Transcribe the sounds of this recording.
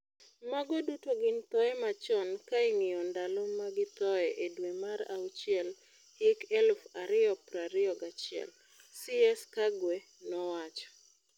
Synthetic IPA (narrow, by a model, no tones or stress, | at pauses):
maɡɔdutoɡɪnt̪ɔɛmat͡ʃɔnkaiŋɪjɔndalomaɡɪt̪ɔɛʔedwemaɾa̰ut͡ʃɪɛl | hɪkɛlfaɾɪɔpɾaɾɪɔɡat͡ʃɪɛ̰l | siɛskaɡwe | nɔwat͡ʃɔ̥